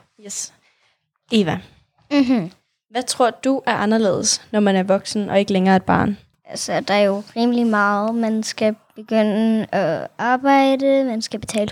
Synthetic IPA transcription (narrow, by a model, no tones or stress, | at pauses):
jes | eːʋæ | ɦ̩ | ʋæt͡sʰʁo̝ɐ̰d̥uʔæɐʔɑ̈nɐle̝̰ːð̞̩ˠsnɒmænæɐʋɒ̽ɡ̥sn̩ʔɒ̽e̝ɡ̥əleŋɐːed̥̚b̥ɑ̰̈ːn | ælsd̥ɑ̈jo̝ʁiːməlimɑ̈ːð̩ˠmænsɡ̥æb̥e̝ɡ̥øn̰əɒɑ̈ːb̥ɑ̈ɪ̰d̥əmænsɡ̥æb̥e̝t͡sʰɛ̰ːl